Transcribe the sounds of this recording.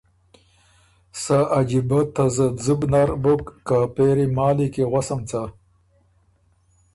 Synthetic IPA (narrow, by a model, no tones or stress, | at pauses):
saʔad͡ʑibat̪azɐzubnaɾbukːapeːɾimaːlikeɣwasɐmt͡sa